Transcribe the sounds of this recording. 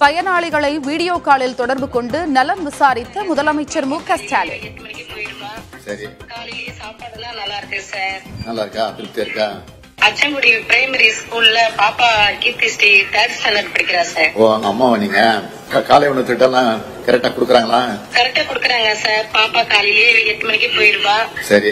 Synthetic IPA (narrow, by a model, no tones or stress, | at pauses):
pɐjɐnaːɭɪɣɐɭɐɪʋiːɽɪjoːkaːlɪlt̪ɔɽɐɾbɯkɔɳɖɯnɐlɐmʋɪsaːɾɪt̪ːɐmʊðɐlɐmɐɪt͡ʃːɐɾmuːkːɐsʈaːlɛt̪ːɐmɐnɪkʲːipoːjɪɾɯmaːsɐɾikaːlɪlɪjesaːpaːɽɐnãːnɐlːaːɪɾɯkːɯsaːɾnɐlːaːɪɾɯkːaːɐpːɪɾt̪ːɐɾɯkːaː | ɐt͡ʃːɐŋɡʊɽipɪɾɐɪmɐɾiskuːlɪlɐpaːpaːkɪt̪ːɪsʈit̪ɐʈsnɐlɐʈpɐɽɪkʲːɪɾaːsaːɾpoːʋaːŋɡɐːmːaːʋɐnːiːŋɡɐ | kkaːlɛjʋɐɳɐt̪ːɪʈːɐlːãː | kɐɾɛk̚ʈːaːkʊɽɯkːɯɾaːŋɡɐlãːkɐɾɛk̚ʈːaːkʊɽɯkːɐɾaːŋɡɐsaːɾpaːpaːkaːlɪlɐjeɛt̪ːɐmɐnɪkːipoːjɪɾɯpːaːsɐɾi